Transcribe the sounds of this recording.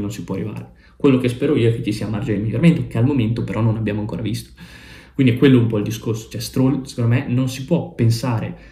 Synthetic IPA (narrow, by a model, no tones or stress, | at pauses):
nonsipwɔarːiva̰ːɾe | kwelːokespɛːɾoiːoɛkːet͡ʃːisiːamard͡ʒenelmiljːoɾament̪okealmoment̪opeɾɔnːonabjaːmoaŋko̰ːɾavist̪o̥ | kwind̪ikwelːoumpɔild̪iskorso̥t͡ʃɛst̪ɾolse̥kond̪omenonsipwɔpːensaːɾḛ